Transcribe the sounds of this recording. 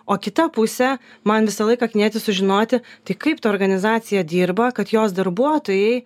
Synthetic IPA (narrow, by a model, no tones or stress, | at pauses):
oːkʲɪt̪ɐpʊsʲɛmɐnʋʲɪsɐlˠɐɪkɐknʲiɛt̪ʲɪsʊʒʲɪnoːt̪ʲɪt̪ɐɪkɐɪpt̪ɐːɾɡɐnʲɪzɑːt̪sʲɪjɛd̪ʲiːɾbɐkɐt̪joːsd̪ɐɾbuɔt̪oːjɛɪ